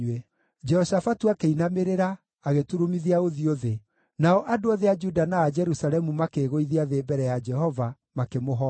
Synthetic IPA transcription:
ɛ | d͡ʒɛhɔsafatuakeinameɾeɾaː | ɣetuɾumiðiaoðioðe | naɔʔadoɔðead͡ʒudanaːd͡ʒɛɾusalɛmumakeɣoiðiaðeːbɛɾɛjad͡ʒɛɦɔva | makemoɦɔ

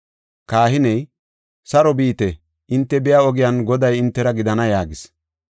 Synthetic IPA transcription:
kaːhɪnɛj | sɐɾɔbiːt̪ɛ | ʔɪnt̪ːɛbɪjaɔɡɪjanɡɔd̪ɐjɪnt̪ːɛɾɐɡɪd̪ɐnɐjaːɡɪs

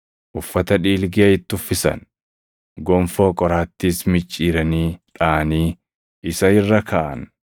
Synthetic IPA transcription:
ʔʊfːɐt̪ɐᶑiːlɡɪɐɪt̪ːʊfːɪsɐ̰n | ɡɔmfo̞ːkʼɔɾaːt̪ːiːsmɪt͡ʃʼːiːɾɐniːᶑaʔɐniː | ʔɪsɐɪrːɐkʰaːʔɐ̰n

